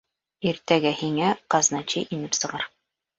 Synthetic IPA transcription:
iɾt̪æɡæhiŋæqɑznɑt͡ɕɤʔinɘpsɤ̆ʁɑɾ

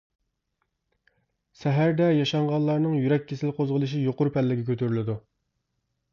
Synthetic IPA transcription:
sɛɦæɾd̪ɛjɑʃɑɴʁɑnlˠɑɾnɨŋjyɾɛk̚ʲʰːesɪlqʰozʁəlˠɨʃ̬ijoqʊɾupʰɛlːɪɡʲɛkʲʰøt̪ʰyɾylɪd̪u

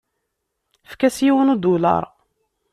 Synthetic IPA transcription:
fkæsjiwənud̪ulɑ̰ɾˤ

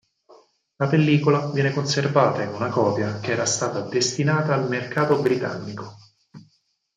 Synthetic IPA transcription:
lapelːiːkolavjɛːnekonservaːt̪ainunakɔːpjakeɛːɾast̪aːt̪ad̪est̪inaːt̪aːlmerkaːt̪obɾit̪a̰nːiko

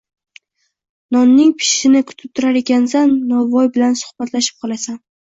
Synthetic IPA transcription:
nɒnːɪŋpʰɪ̥ʃːɪnɪkʰʊ̥t̪ʰɪp̚t̪ʰʊɾaɾe̞kʲans̬anːɒvɒjbɪlansʊ̥hbat̪ʰlaʃɪ̥p̚qʰɒlˠasan

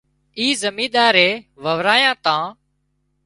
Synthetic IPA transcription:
iːzəmĩːɗ̪aːɾeːʋəʋɾaːjãːt̪ãː

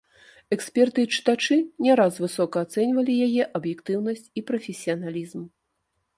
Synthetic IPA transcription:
ɛksʲpʲɛrt̪ɨit͡ʂɨ̥t̪at͡ʂɨnʲɛɾasvɨsɔkɐːt̪sɛnʲvɐlʲijajɛʔɐbjɛkt̪ɨwnɐsʲt͡sʲipɾɐfʲɛsʲijɐnalʲizm

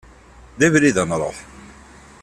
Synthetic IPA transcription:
ðævliðənɾˤo̰ħ

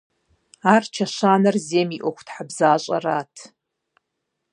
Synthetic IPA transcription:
aːrt͡ʃʰɐʃaːnɐrzeːmiʔʷɔkʷʰtʰħabzaːɕʼɐ̰ratʰ

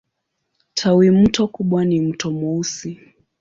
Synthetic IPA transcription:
tʰawimm̩tɔkuɓwanim̩tɔmɔusi

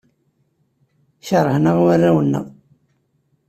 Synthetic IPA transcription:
çəɾˤːəhnəʁwərːæwənːə̰ʁ

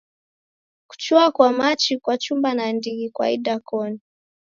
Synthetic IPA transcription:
ku̥t͡ʃuakwamat͡ʃikwat͡ʃumbanandiɡikwa̰ḭɗakɔni

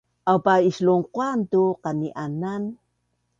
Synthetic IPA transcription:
ʔawpaisluŋqwantuqaniʔanan

